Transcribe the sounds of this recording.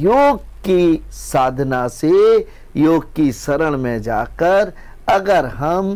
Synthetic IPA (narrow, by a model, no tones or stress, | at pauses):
joːɡ | ki | saːd̪ʱnase | joːɡ̚kisɐɾəɽ̃mẽd͡ʒaːkəɾ | ɐɡəɾɦɐm